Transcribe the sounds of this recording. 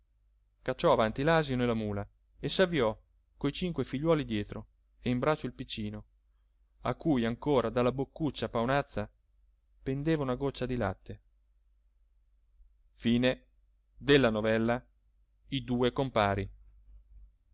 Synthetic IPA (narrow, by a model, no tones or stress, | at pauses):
kat͡ʃːɔavant̪ilaːzionelːamuːla | esavːiɔ | kojt͡ʃiŋkwefiʎːwɔːlid̪jɛːt̪ɾo | eimbɾat͡ʃːoilpit͡ʃːiːno | a̰kːujaŋkoːɾad̪alːabokːut͡ʃːapawnat̪sːa | pend̪eːvaunaɡot͡ʃːad̪ila̰t̪ːe | fiːne | d̪elːanovɛlːa | id̪uːekompaːɾi